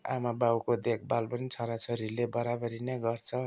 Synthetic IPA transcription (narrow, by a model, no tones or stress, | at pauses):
a̰mabawkod̪ek̚ʰbalpʌnit͡sʰʌɾat͡sʰʌɾilebʌɾabʌɾinʌɡʌrt͡sʰʌ